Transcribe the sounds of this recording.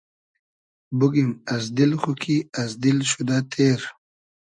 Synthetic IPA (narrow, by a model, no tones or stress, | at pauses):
buɡimɐzd̪ilχukʰiɐzd̪ilɕud̪at̪ʰeːɾ